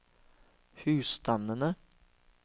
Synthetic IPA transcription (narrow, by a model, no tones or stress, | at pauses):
hʉ̟ːst̪ʰanənə